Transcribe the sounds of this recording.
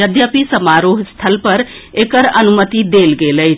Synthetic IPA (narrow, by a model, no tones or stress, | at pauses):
əd̪ʱjəpisəmaɾoɦst̪ʰəlpəɾ | ekəɾənumət̪id̪elɡeləjʰ